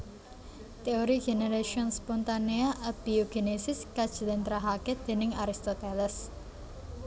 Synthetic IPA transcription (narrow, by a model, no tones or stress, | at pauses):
t̪eoɾiɡeneɾaʃiɔnspɔnt̪aneaʔab̥ioɡ̥enesɪskad̥ʒ̥ə̤lɪnt̪ɾaɦaked̪̥e̤nɪŋaɾist̪ot̪elɛs